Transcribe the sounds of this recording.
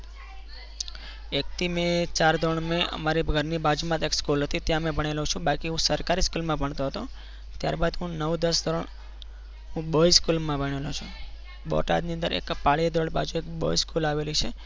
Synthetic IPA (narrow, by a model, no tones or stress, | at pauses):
ek̚t̪ʰimẽt͡ʃaɾd̪ʱoɳmẽə̰maɾibəɡʱəɾnibad͡ʒumãt̪ekskulɦət̪it̪jãmẽbʱəɳ̃elõt͡ʃʰũbakiɦũsəɾkaɾiskulmãbʱəɳt̪oɦət̪o | t̪ja̰ɾbad̪ɦũnəʋd̪əsd̪ɾəɳ | ɦũbəiskulmãbʱəɽ̃elot͡ʃʰũ | ɓɔ̰ʈa̰d̪niə̃nd̪əɾḛkpaɭid̪ʱɾoɳba̰d͡ʒuekbo̰iskulaʋelit͡ʃʰe